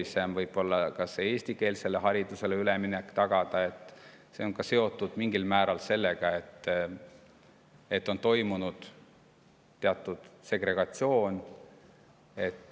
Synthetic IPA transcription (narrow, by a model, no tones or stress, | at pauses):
ise̞mvɤjb̥o̞lːɑkɑsee̞ːsʲt̪ike̞ːlse̞lːeɦɑɾid̪̥use̞leyleminekːt̪ɑɡ̥ɑd̪̥ɑe̞t̪ːˑ | se̞o̞ŋkɑse̞o̞t̪ːˑud̪̥miŋɡilmæːɾɑlse̞lːe̞ɡ̥ɑe̞t̪ː | e̞t̪ːˑo̞nt̪o̞jmunud̪̥ | t̪ːe̞ɑt̪ːˑud̪̥se̞ɡ̥ɾe̞ɡ̥ɑt̪sio̞ːn | e̞t̪ː